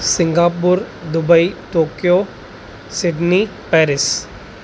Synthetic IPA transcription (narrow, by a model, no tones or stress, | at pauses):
sɪ̃ŋɡaːpʊɾd̪ʊbəit̪oːkijoː | sɪɖnipɛːɾɪs